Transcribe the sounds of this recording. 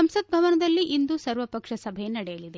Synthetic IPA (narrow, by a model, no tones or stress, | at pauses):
ɐmsɐd̪̚bʱɐʋɐnɐd̪ɐlːiʔind̪usɐɾʋɐpɐkʂɐsɐbʱejenɐɽɛjɐlid̪e